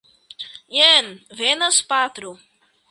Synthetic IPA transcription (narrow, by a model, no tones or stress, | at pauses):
jenvenɐspat̪ɾu